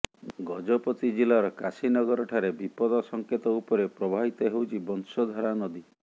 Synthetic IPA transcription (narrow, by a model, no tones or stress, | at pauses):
ɡɔd͡ʒɔpɔt̪id͡ʒilaɾɔkasinɔɡɔɾɔʈʰaɾebipɔd̪ɔsɔŋket̪ɔupɔɾepɾɔbʱabit̪ɔɦewt͡ʃʰibɔnsɔd̪ʱɔɾanɔd̪i